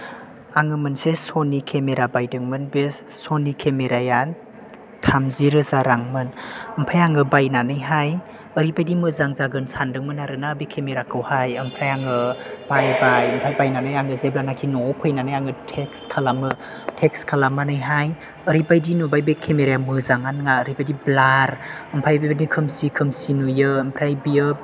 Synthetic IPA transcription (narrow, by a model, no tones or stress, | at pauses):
aŋɯmɯnsesonikʰemeɾabajdɯŋmɯnbessonikʰemeɾajan | tʰamziɾɯzaɾaŋmɯnəmpʰajaŋɯbajnanɯjɦaj | əɾibajdimɯzaŋzaɡɯnsandɯŋmɯnaɾɯnabikʰemeɾakʰɯwhajɐmpʰajaŋɯb̥ajbajəmpʰajbajnanɯjaŋɯzeblanakʰinɔpʰɯjnanajaŋɯtʰekskʰalamɯ | tʰekskʰalamanɯjɦaj | əɾibajdinubajbekʰemeɾjamɯzaŋanŋaəɾibajdiblaɾəmpʰajbajbadikʰɯmsikʰɯmsinujɯːmpʰɾajbiɯ